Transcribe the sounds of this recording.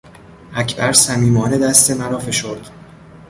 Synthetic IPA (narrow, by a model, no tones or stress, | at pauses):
ʔæcʰbæɾsæmiːmɒːne̞d̪æst̪e̞mæɾɒːfe̞ʃoɾd̪̥